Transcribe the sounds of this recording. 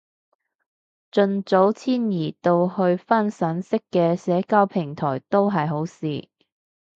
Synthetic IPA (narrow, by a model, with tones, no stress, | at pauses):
t͡ʃɵ˧nt͡so˨˥wt͡sʰiː˥njiː˨˩t̪o˧whɵ˧ɥfɐ˥nsɐ˨˥nsɪ˥kːɛː˧sɛː˨˥kaː˥wpʰɪ˨˩ŋt̪ʰɔː˨˩jt̪o˥wɦɐ˨jɦo˨˥wsiː˨